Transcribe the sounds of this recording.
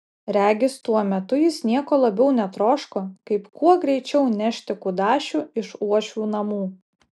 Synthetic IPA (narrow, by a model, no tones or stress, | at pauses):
ɾʲæːɡʲɪst̪uɔmʲɛt̪ʊjɪsnʲiɛkoːlˠɐbʲɛʊnʲɛt̪ɾoːʃkoːkɐɪpkuɔɡɾʲɛɪt͡ʃʲɛʊnʲæʃʲt̪ʲɪkʊd̪ɑːʃʲuːɪʃuɔʃʲuːnɐmuː